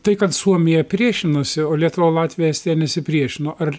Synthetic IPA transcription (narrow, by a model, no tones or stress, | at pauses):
t̪ɐɪkɐt̪suɔmʲɪjɛpʲɾʲiɛʃʲɪnosʲɪoːlʲiɛt̪ʊʋoːlˠɑːt̪ʲʋʲɪjɛsʲt̪ʲɛnʲɛsʲɪpʲɾʲiɛʃʲɪnoːʔɐr